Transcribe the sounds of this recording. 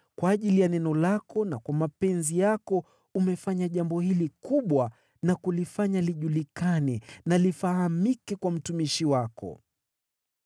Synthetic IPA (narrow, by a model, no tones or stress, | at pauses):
kwaːʄilijanɛnɔlakɔnakwamapɛnzijakɔ | umɛfaɲaʄambɔhilikuɓwa | nakulifaɲaliʄulikanɛnalifahamikɛkwam̩tumiʃiwakɔ̰